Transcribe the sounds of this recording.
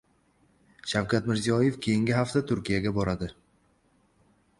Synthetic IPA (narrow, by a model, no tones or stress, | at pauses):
ʃawkʲʰat̪mɪɾzijɒje̞fkʲʰejɪŋɡʲɪɦaft̪at̪ʰʊɾkʲijaɡʲabɒɾad̪ɪ